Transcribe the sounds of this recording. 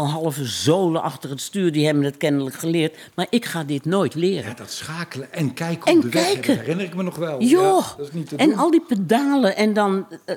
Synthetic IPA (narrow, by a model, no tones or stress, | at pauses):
ɦɑlˠəvəzoːləʔɑxtərətstyːrdihɛbənətkɛnələkχəlɪːt | marʔɪkχaːdɪtnoːjtlɪːrə̰dtsχaːkələɛnkɛjkɛnkɛjkʰəɪnərɪk̚mənɔxʋɛlˠjosnitɛnɔlˠdipədaːləʔɛndɔn